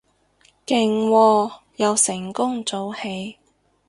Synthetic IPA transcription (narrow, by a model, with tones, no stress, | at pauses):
kɪ˨˩ŋwɔː˧ | jɐ˨˧wsɪ˨˩ŋkʊ˥ŋt͡so˨˧whe˨˧j